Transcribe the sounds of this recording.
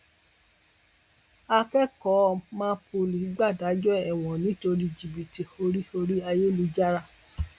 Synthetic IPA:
a˧kɛ˦kɔ˨˦˧mãː˦pʰo˧˨li˨˦ɡ͡ba˦˨da˨˦d͡ʒɔ˦ɛ˨w̃ɔ̃˨nĩ˨˦to˧ɾi˦d͡ʒi˨bi˨ti˨o˧ɾi˦o˧ɾi˦a˧je˦lu˧˦d͡ʒa˦ɾa˦˨

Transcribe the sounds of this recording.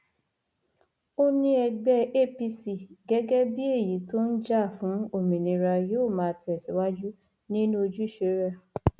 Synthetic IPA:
o˦nĩ˦ɛ˧ɡ͡bɛ˦e˦˨pi˧si˧˨ɡɛ˦ɡɛ˦bi˦e˦˨ji˨˦to˦n̩˦d͡ʒa˦˨fũ˨˦o˦˨mĩ˨nĩ˨ɾa˧jo˦˨mãː˨˦˧ti˦ɛ˨si˨˦wa˦d͡ʒu˦ | nĩ˦nũ˦o˧d͡ʒu˦i˦˨ʃe˨˦ɾa˦˨

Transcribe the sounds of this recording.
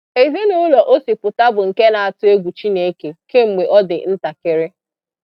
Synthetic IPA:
e˨ze˦nu˦lɔ˨ʔo˦si˨pʊ˨ta˦bʊ˨ŋ̩˨ke˦na˨a˨tʊ˦e˦ɡʷu˨t͡ʃi˦ne˨˦ke˨ke˦m̩˨mʷe˨ʔɔ˦dɪ̰˨n̩˦ta˨ke˦ɾɪ˦

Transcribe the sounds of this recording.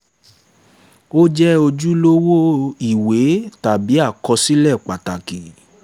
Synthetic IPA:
o˦d͡ʒɛ˦o˧d͡ʒu˦lo˦wo˦i˨we˨˦ta˨bi˨˦a˦˨kɔ˧si˦lɛ˦˨k͡pa˨ta˨ki˨

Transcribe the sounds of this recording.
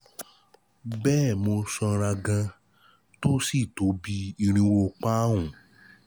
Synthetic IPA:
bɛː˦˨mo˧sɔ˧ɾa˧ɡã˧ | to˦si˦˨to˨˦bi˧˦i˧ɾ̃ĩ˧wo˧k͡pa˦ũ˨

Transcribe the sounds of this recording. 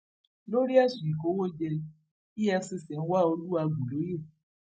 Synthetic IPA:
lo˦ɾi˦a˦˨ʃi˨i˨ko˨˦wo˦d͡ʒɛ˧ | i˦ɛ˧˦si˦˨sɛ̃˨˦n̩˦wa˦o˧lu˦a˧ɡu˨lo˨˦je˦˨

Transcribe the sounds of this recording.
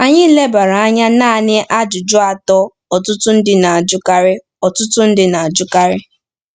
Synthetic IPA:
a˨ɲɪ˦le˦ba˨ɾa˨a˦ɲa˦naː˦˨nɪ˦ʔa˦d͡ʒʊ˨d͡ʒʊ˦a˨tɔ˦ | ɔ˨tʊ˦tʊ˦n̩˦dɪ˨na˨a˨d͡ʒʊ˦ka˦ɾɪ˦ | ɔ˨tʊ˦tʊ˦n̩˦dɪ˨na˨a˨d͡ʒʊ˦ka˦ɾɪ˦

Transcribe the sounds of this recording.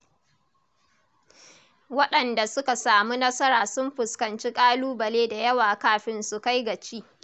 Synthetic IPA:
wɐ˦ɗɐ˨nda˨sʊ˦ka˨saː˨mu˦nɐ˦sɐ˦ɾaː˨sʊ˦mɸʊ˨skɐ˨nt͡ʃi˦kʼaː˦luː˦bɐ˨leː˦da˨jɐ˦waː˨kaː˦ɸɪ˦nsu˨ka˦jɡɐ˨t͡ʃiː˦

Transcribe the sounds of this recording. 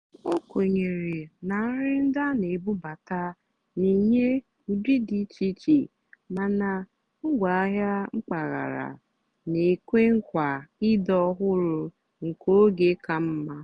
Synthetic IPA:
o˦ko˨ɲe˨ɾi˨na˨˦ɾɪ˦n̩˦da˦ne˨bu˦ba˨ta˦ | ni˨ɲe˦ | u˨di˦di˨˦t͡ʃi˦t͡ʃi˦˨ | ma˨na˨ | ŋ̩˦ɡʷa˨a˦ɦja˦ŋ͡m̩˦k͡pa˨ɣa̰˨ɾa̰˨ | ne˨kʷe˦ŋ̩˦kʷa˨ɪ˦dɔ˦ɦʊ˦ɾʊ˨ | ŋ̩˨ko˦ɡe˨˦ka˦m̩˦ma˦

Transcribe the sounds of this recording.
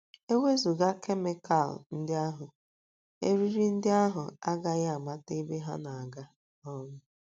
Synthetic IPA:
e˦we˦zu˨ɡa˦kʰe˦me˦kʰa̰˦˨ln̩˦dɪ˦a˦ɦʊ˨ | ḛ˦ɾi˦ɾi˦n̩˦dɪ˦a˦ɦʊ˨a˦ɡa˦ɣa˨ma˦te˦be˦ɦa˦na˨a˨ɡa˦ | ɔ˦mʊ˦

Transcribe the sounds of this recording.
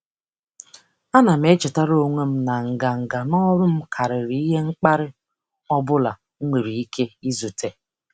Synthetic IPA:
a˦na˨m̩e˦t͡ʃɪ˨ta˦ɾo˦ŋʷe˦m̩˦na˨ŋ̩˨ɡa˨ŋ̩˨ɡa˨nɔ˦ɾʊ˦m̩˦kʰa˨ɾɪ˨ɾi˨˦i˦ɦe˦ŋ͡m̩˦k͡pa˦ɾɪ˦ | ɔ˦bʊ˦la˨˦ | ŋʷe˨ɾi˨i˦kʰe˦i˦zu˨tʰe˨

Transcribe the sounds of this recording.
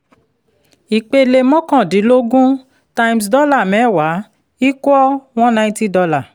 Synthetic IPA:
i˨k͡pe˧le˧mɔ̃˦kã˦˨dĩ˨˦lo˦ɡũ˦ | ta˧i˧ms̬dɔ˦la˦˨mɛ̃˨˦˨wa˨˦ | i˦ku˦ɔ˦w̃ɔ̃˦nã˧ĩ˦ti˦dɔ˧la˦˨

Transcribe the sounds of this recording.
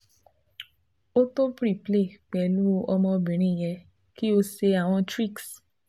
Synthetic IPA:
o˦to˦pɾi˦˨ple˦˨k͡pɛ˨lu˦o˧ɔ˧mɔ̃˧bĩ˨ɾ̃ĩ˦˨jɛ˧ | ki˦o˧se˧a˨w̃ɔ̃˧tɾi˦˨ks

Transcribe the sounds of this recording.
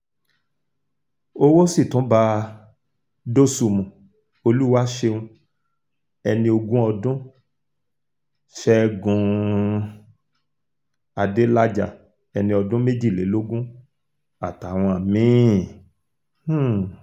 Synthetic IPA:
o˦wo˦si˦˨tũ˨˦ba˧ | do˦su˧mũ˨ | o˧lu˦wa˦ʃe˧ũ˧ | ɛ˧nĩ˧o˧ɡũ˦ɔ˧dũ˦ | ʃɛ˧ɡũ˧ | a˨de˨˦la˦d͡ʒa˦˨ | ɛ˧nĩ˧ɔ˧dũ˦me˦d͡ʒi˦˨le˨˦lo˦ɡũ˦ | a˦˨ta˨w̃ɔ̃˧a˨mĩ˨˦˨

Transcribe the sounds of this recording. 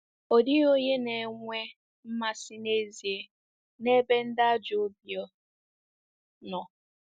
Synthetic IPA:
o˨di˦ɣo˦ɲe˦ne˨ŋʷe˦ | m̩˦ma˦sɪ˦ne˦zi˨e˨ | ne˦be˦n̩˦da˦d͡ʒʊ˦bjɔ˦ | nɔ˨

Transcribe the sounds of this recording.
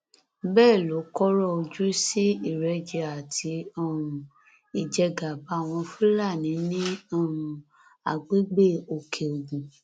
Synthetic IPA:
bɛː˦˨lo˨˦kɔ˦ɾɔ˦o˧d͡ʒu˦si˦i˦˨ɾɛ˧d͡ʒɛ˧a˨tʰi˧˦ɔ˦˨ũ˨˧ | i˨d͡ʒɛ˧ɡa˨ba˨˦˨w̃ɔ̃˧fũ˦la˦˨nĩ˨˦nĩ˦ɔ˦˨ũ˨˧ | a̰˨ɡ͡be˨˦ɡ͡be˦˨o˨kʰe˨o˨ɡũ˨

